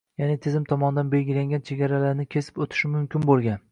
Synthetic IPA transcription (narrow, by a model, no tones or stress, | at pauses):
janɪt̪ʰɪzɪmt̪ʰɒmɒnɪd̪anbelʲɡʲɪlaŋɡʲant͡ʃʰeɡʲaɾalaɾnɪkʲʰe̞sɪ̥pot̪ʰɪ̥ʃɪmʊmkʲɪnbolˠɡʲan